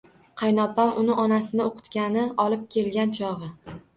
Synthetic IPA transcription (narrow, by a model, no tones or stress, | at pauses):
qʰɑjnɒpamʔʊnɪʔɒnasɪnɪoqʰʊ̥t̪kʲanɪɒlˠɪp̚kʲe̞lɡʲant͡ʃʰɒʁɨ